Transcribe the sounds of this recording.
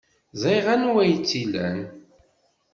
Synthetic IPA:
zæjʁænwæjt͡sːilæ̰n

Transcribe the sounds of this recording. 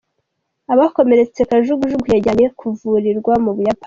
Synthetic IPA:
aβako̞me̞ɾe̞t͡se̞kaʒuɡuʒuɡujaɟaɲekʰuvuɾiɾɡwamuβujapa

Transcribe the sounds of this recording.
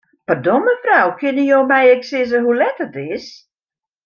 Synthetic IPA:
pərdɔməfrawkʰɪnəjoːmɛjɛksɪzəɦulɛtətɪs

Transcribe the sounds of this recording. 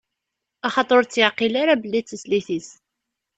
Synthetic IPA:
ɑχɑt̪ˤoɾt͡sːjəʕqilaɾabəlːit͡sːəsliθis

